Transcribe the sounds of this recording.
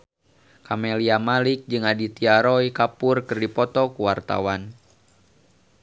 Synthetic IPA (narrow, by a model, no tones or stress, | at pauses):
kamɛliamalik̚d͡ʒɨŋadit̪iaɾɔikapʊrkɨrdipɔt̪ɔkuwart̪a̰wan